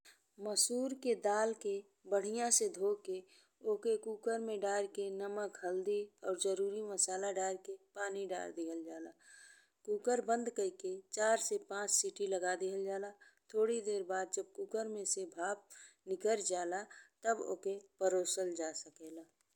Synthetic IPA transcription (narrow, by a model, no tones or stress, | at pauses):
məsuːɾked̪aːlke | bəɽ̤ijãsed̪ʱoːke | oːkekuːkəɾmẽɖaːɾkenəməkɦəld̪iɔːɾd͡ʒəɾuːɾiməsaːlaɖaːɾkepaːniɖa̰ːɾd̪iɦəld͡ʒaːlaː | kuːkəɾbə̃nd̪kəiket͡ʃaːɾsepãːt͡ʃsiːʈiləɡad̪iɦəld͡ʒaːlat̪ʰoːɽid̪eːɾbaːd̪̚d͡ʒəb̚kuːkəɾmẽsebʱaːp̚nɪkəɾd͡ʒaːlat̪əbo̰ːkepəɾoːsəld͡ʒaːsəkeːlaː